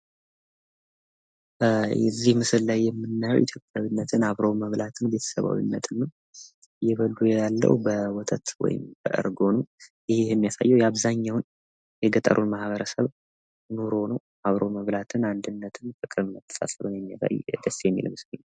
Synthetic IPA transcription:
jɛzːihmɨsɨllajːɛmːɨnːajo̰wʔit̪ʰjo̞pʼːjaβinːət̪ʰɨnaβɾowməβlat̪ʰɨnbe̞t̪ʰə̥səβa̰wḭnːə̰t̪ʰɨnːəw | jɛβəlːujɛjalːə̰wbəwɔt̪ʰʼət̪wɔ̰jɪ̰mbəʔɨ̰ɾɡo̞nəwjɪhjɛmːijasa̰jːɛwjɛaβzaɲːawn | jɛɡət̪ʼə̰ɾʔunmahβəɾəsəβ | noɾo̞nəw | aβɾoməβlat̪ʰɨnand̪ɨnːət̪ʰɨnfɨkʼɨɾɨmət̪ʰːə̥sa̰səβɨnjɛmːija̰sa̰jd̪əsːjɛmːḭlmɨslɨɲːa

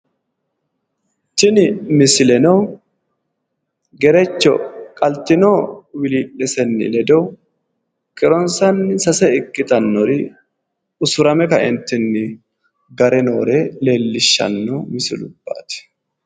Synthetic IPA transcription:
t͡ʃːɪnɪmɪsɪlɛnoː | ɡɛɾɛt͡ʃːɔ̰kʼɐlt̪ːɪnoːwɪliːᶑɛsɛnːɪ̰lɛd̪oː | kʼɪɾɔnsɐnːɪsɐsɛɪkːɪt̪ɐnːɔɾɪ | ʊsʊɾɐmɛkɐʔɛnt̪ːɪnːɪ | ɡɐɾɛno̞̰ːɾɛle̞ːlːɪʃːɐ̰nːoːmɪsɪ̰lʊb̥ːa̰ːt̪ɪ̥

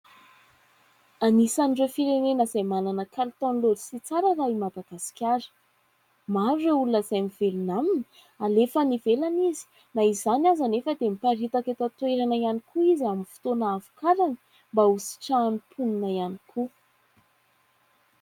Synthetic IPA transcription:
anisaniɖ͡ʐewfiɾenenəzajmananəkalit̪ɔnlolisit͡saɾəɾaimad̪aɡ̥asi̥kʲaɾə̥ | maɾueulunəzajmivelunaminə̥ | alefənivelanizi̥ | naizanazanefəd̪emipaɾit̪aket̪ət̪weɾanaianikʰuiziaminfi̥t̪onaːvu̥kaɾanə̥ | mbausi̥ʈ͡ʂaːnipʰuninaianikʰu

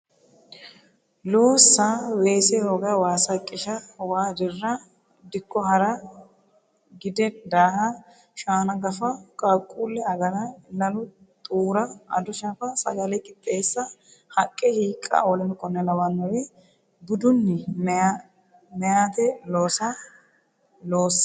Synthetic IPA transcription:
loːsːaweːsɛhoːɡɐwaːsɐkʼːɪʃɐwaːd̪ɪrːɐ | d̪ɪkːɔhɐɾɐ | ɡɪd̪ɛd̪aːhɐ | ʃaːnɐɡɐfɐkʼɐkʼuːlːɛɐɡɐɾɐlɐlʊt̪ʼuːɾɐɐ̰d̪ʊʃɐfɐsɐɡɐlɛkʼɪt̪ʼːe̞ːsːɐ | hɐkʼːɛhiːkʼːɐ̰ʔoːlɛnɪkʼɔnːɛlɐwɐnːɐwe | bʊd̪ʊnːɪmɛa | mɛjaːt̪ɛloːsɐ | loːsɐ̥

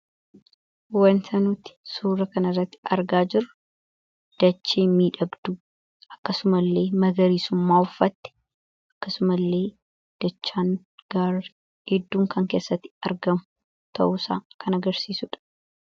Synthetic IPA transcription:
wɐnt̪ʰɐnuːt̪ɪ̥suːɾɐkɐnɐrːɐt̪ːɪɐɾɡaːd͡ʒɪɾʊ | d̪̥ɐt͡ʃːeːmiːᶑɐbd̪u | ʔɐkːɐsʊmɐlːe̞ːmɐɡɐɾiːsʊmːaːʊfːɐt̪ːɛ̥ | ʔɐkːɐsʊmɐlːe̞ː | d̪̥ɐt͡ʃːaːn | ɡ̥aɾ | hɛd̪ːuːŋkʰɐŋke̞ːsːɐt̪ːɪ̥ɐɾɡɐmʊ | t̪ʰɐ̰ʔʊsa̰ːkʰɐnɐɡɐɾsiːsʊᶑɐ̥

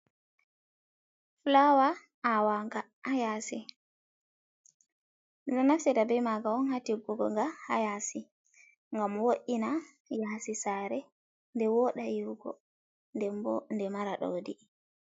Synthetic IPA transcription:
flawa | awaŋɡa | ʔajasi | dɔnafsitabɛjmaɡawɔnhatiɡuɡɔ̰ŋɡaha̰jasi | ŋɡamwoʔina | jasisaɾɛ | ndɛwɔɗajuwɡɔ̰ | ndɛmbɔndɛmaɾaɗo̰di

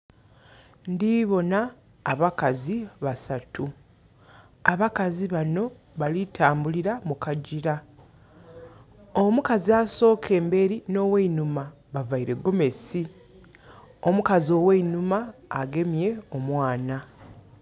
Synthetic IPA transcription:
ndiβo̞naː | βakaziβasatu | aβakaziβano̞ | βalitʰaːmbuliɾamukaɟiɾa | omukaziaso̞ːkʰe̞ːmbe̞ɾino̞ːweinuma | βavaiɾe̞ɡo̞me̞si | o̞mukazio̞weinumaːɡe̞mje̞o̞mwaːna

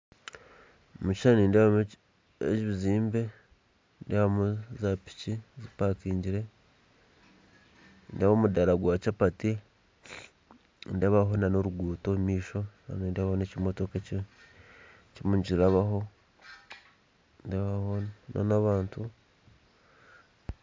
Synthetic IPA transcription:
mut͡ʃi̥ʃaniːndeβam | ḛt͡ʃiβiziːmbe̞ | ndeβamuzapi̥cizipakiːɲɟiɾe̞ | ndeβomudaɾaɡwaːt͡ʃapati | ndeβaɦonanoɾuɡuːtomiːʃo̞na̰nindeβaonecimoto̞kaci | cimuɲɟiɾaβaɦo̞ | ndeβahona̰naβaːntu

